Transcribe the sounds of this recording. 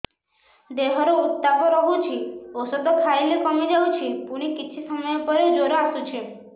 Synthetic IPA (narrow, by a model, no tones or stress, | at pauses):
d̪eɦɔɾout̪ːapɔɾɔɦut͡ʃʰiosɔd̪ɔkʰailekɔmid͡ʒaut͡ʃʰipuɽ̃ikit͡ʃʰisɔmɔjɔpɔɾed͡ʒoɾoasut͡ʃʰi